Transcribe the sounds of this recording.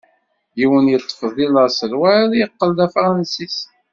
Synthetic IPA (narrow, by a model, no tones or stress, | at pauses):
jiwənjət̪ˤːə̥fðˤiləɾsəlwæðjəqːəld̪æfɾˤɑnsis